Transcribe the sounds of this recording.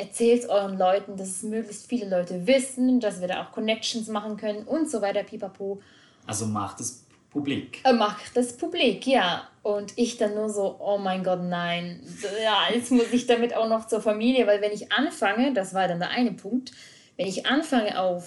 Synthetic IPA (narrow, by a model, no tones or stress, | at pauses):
ʔɛɐt͡sɛːltʔɔʏʁənlɔʏtn̩das̬ɛsmøːklɪçstfiːləlɔʏtəvɪsn̩das̬v̥iːɐda̰ːʔa̰ʊxkʰɔnɛk̚t͡ʃn̩smaχn̩kʰœnənʊntz̥ovaɪtɐpʰiːpapʰoː | ʔa̰lzoma̰χd̥as | pʰublḭkmaχd̥aspʰublikjaːʔʊntɪçd̥anːuːɐzoːʔoːmaɪnɡɔtnaɪnjaːjɛt͡stmʊsɪçd̥amɪta̰ʊxnɔχt͡suːɐfamiːljəvaɪlvɛnɪçʔanfaŋədasv̥aːɐdandeːɐʔaɪnəpʰʊŋk̚t | vɛnɪçʔanfaŋəʔa̰ʊf